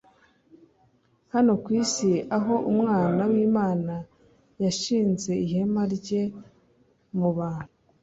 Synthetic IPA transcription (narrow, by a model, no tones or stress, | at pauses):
hano̞kwiːsiaɦo̞ʔumŋaːnawiːmaːna | jaʃiːnze̞ihe̞maɾɟe̞ | muβaːn̥hu